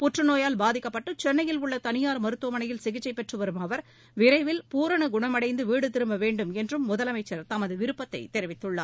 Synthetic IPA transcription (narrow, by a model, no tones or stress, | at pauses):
pʊʈrɯnoːjaːlbaːðɪkːɐpːɐʈːɯt͡ʃɛnːɐjɪlʊɭːɐt̪ɐnɪjaːɾmɐɾɯt̪ːuʋɐmɐɳɐjɪlsɪɣɪt͡ʃːɐɪpːɛʈrɯʋɐɾɯmɐʋɐɾ | ʋɪɾɐɪʋɪlpuːɾɐɳɯɡʊɳɐmɐɽɐɪnd̪ɯʋiːɽɯt̪ɪɾɯmbɐʋeːɳɖɯmɛndrɯmːʊðɐlɐmɐɪt͡ʃːɐɾt̪ɐmɐðɯʋɪɾɯpːɐt̪ːɐ̰ɪt̪ɛɾɪʋɪt̪ːɯɭːa̰ː